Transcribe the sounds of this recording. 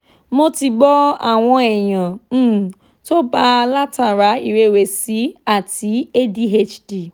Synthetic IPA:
mo˦ti˧ɡ͡bɔ˦a̰˦˨w̃ɔ̃˧ɛ˨jã˨˦˨ | to˦ba˦˧la˦ta˨ɾa˨˦i˦˨ɾe˧˦˨we˨si˨˦a˦˨ti˨˦e˦di˦ɦe˦t͡ʃdi˨

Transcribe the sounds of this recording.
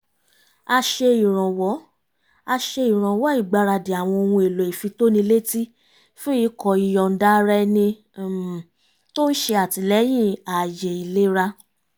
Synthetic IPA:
a˧ʃe˧i˨ɾ̃ɔ̃˨wɔ˨˦ | a˧ʃe˧i˨ɾ̃ã˨wɔ˨˦i˦˨ɡ͡ba˧˦ɾa˧di˨a˨w̃ɔ̃˧o˧wũ˧e˨lo˨i˨fi˧to˦nĩ˧le˦ti˦ | fũ˦i˧˦kɔ˨i˨jɔ˨n̩˦da˦ɾɛ˦nĩ˧˨ | to˦n̩˦ʃe˧a˨ti˧lɛ˨˦j̃ĩ˦˨a˨je˨i˨le˨˦ɾa˧

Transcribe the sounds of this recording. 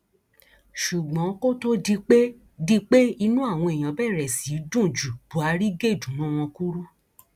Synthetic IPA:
ʃu˨ɡ͡bɔ̃˨˦ko˦to˦di˧k͡pe˦ | di˧k͡pe˦i˧nũ˦a˦˨w̃ɔ̃˧e˨j̃ã˨˦bɛ˦˨ɾɛ˨si˨˦dũ˦˨d͡ʒu˨b̥u˨˦a˧ɾi˦ɡe˦˨d͡ʒũ˨nã˦w̃ɔ̃˧ku˦ɾu˦

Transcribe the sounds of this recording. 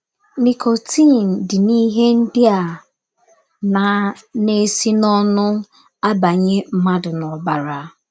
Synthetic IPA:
ni˨kʰo˨tʰi˦˨n̩˨dɪ˨ni˦ɦe˦n̩˦dɪ˦a˨ | na˨ne˦si˦nɔ˦nʊ˦ | a˦ba˨ɲe˦m̩˦ma˦dʊ˨nɔ˨ba˨ɾa˨˦

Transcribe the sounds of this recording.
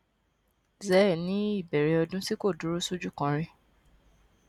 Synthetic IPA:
zɛ˨˦˨nĩ˨˦i˦˨bɛ˨ɾe˧ɔ˧dũ˦si˦ko˦˨du˨˦ɾu˦su˦d͡ʒu˦˨kã˧ɾ̃ĩ˧

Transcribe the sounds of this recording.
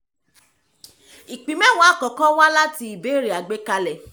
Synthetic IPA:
i˨k͡pĩ˨mɛ̃˦w̃ɔ̃˨˦˨kɔ˨˦kɔ̃˦wa˦la˦ti˦i˨be˨˦˨ɾi˨a˨ɡ͡be˦ka˧lɛ˨

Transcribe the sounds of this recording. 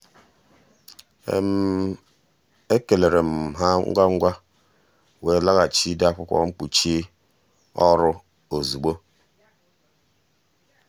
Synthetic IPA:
ḛ˨m̩˦ | e˦ke˨le˨ɾe˨m̩˨ɦa˦ŋ̩̰˦ɡʷa˦ŋ̩˦ɡʷa˦ | we˨la˦ɣa˨t͡ʃi˦da˦˨kʷʊ˦kʷɔ̰˦ŋ͡m̩˦k͡pu˨t͡ʃi˦ | ɔ˦ɾʊ˦ | o˨zu˨ɡ͡bo˦

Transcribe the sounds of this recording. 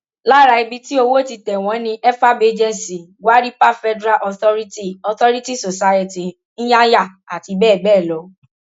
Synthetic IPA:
la˦ɾa˧i˧bi˧ti˦o˧wo˦ti˧tɛ˨w̃ɔ̃˨˦nĩ˧ʔɛ˦fa˦be˦d͡ʒɛ̃˦nsi˨ɡʷwa˦ɾi˦pa˦˨fɛ˦dɾa˦ʔɔ˧θɔ˦ɾi˦ti˦ɔ˧tɔ˦ɾi˦ti˦˨so˨sa˧jɛ˦ti˨ | ñ̩˦ja˦ja˦˨a˨ti˨˧bɛː˦˨bɛː˦˨lɔ˨˦

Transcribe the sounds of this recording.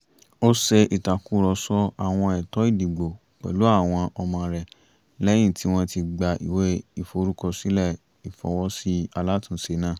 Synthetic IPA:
o˦sɛ˧i˨ta˨ku˦ɾɔ˧sɔ˧a˨w̃ɔ̃˧ɛ˨tɔ˨˦i˦˨di˨ɡ͡bo˨ | k͡pɛ̰˨lu˨˦a˦˨w̃ɔ̃˧ʔɔ˧mã˧ɾɛ˨ | lɛ˦j̃ĩ˦˨ti˨˦w̃ɔ̃˧ti˧ɡ͡ba˧ʔḭ˨we˦i˨fo˧˦ɾu˦kɔ˧si˦lɛ˦˨ | i˨fɔ̰˨˧˦wɔ˦si˦a˧la˦tũ˧˨se˧˦nãː˦˨

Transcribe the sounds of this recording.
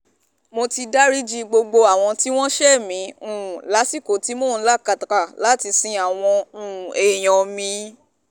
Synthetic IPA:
mo˧ti˧da˦ɾi˦d͡ʒi˦˧ɡ͡bo˧ɡ͡bo˧a˨w̃ɔ̃˧ti˦w̃ɔ̃˦ʃɛ˦˨mĩ˨˦ũ˨la˨˦si˦˨ko˨ti˦mo˦˨n̩˦la˦˨ka˧˨ta˨ka˨la˨˦ti˧sĩ˧a˨w̃ɔ̃˧ũ˨e˨j̃ɔ̃˨mĩ˧˦

